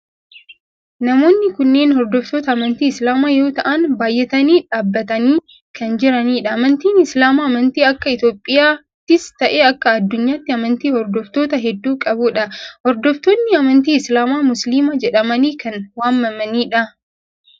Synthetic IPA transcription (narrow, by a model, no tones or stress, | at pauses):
nɐmo̞ːnːɪkʊnːe̞ːnhɔɾd̪ɔft̪oːt̪ɐːmɐnt̪iːɪslaːmaːjo̞ːt̪ɐʔɐnbaːjːɛt̪ɐniːᶑaːbːɐt̪ɐniː | kɐnd͡ʒɪɾɐniːᶑɐːmɐnt̪iːnɪslaːmaːmɐnt̪iːɐkːɐɪt̪oːpʼːɪjaː | t̪ːɪst̪ɐʔeːɐkːɐːd̪ːʊɲːaːt̪ːɪɐmɐnt̪iːhɔɾd̪ɔft̪o̞ːt̪ɐɦɛd̪ːuːkʼɐbʊᶑɐhɔɾd̪ɔft̪oːnːɪɐmɐnt̪iːɪslaːmaːmʊsliːmɐd͡ʒɛᶑɐmɐniːkɐnwaːnːɐmɐniːᶑɐ